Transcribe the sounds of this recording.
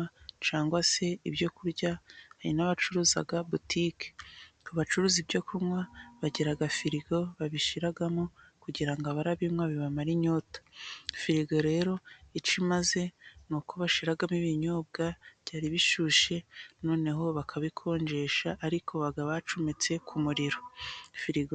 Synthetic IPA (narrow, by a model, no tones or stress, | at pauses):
at͡ʃaːŋɡwase̞ibɟo̞kuɾɟahaɾḭnaβat͡ʃuɾuːza̰ɡabutʰike̥uβat͡ʃuɾuːzibɟo̞kʰumwaβaɟeɾaɡafiɾiɡo̞βaβiʃiɾaɡamokuɟiɾaŋɡaβaɾaβimŋwaβiβamaɾiɲo̞tḁfiɾiɡoɾe̞ːɾo̞it͡ʃimaze̞nukʰo̞βaʃiɾaɡamiβiɲoːb̚ɡabɟaːɾiβiʃuːʃe̞noːne̞ɦo̞βakʰaβikʰo̞ːɲd͡ʒe̞ːʃaʔːɾikʰo̞βaɡaβat͡ʃumet͡se̞kʰumuɾiɾo̞fiɾiɡo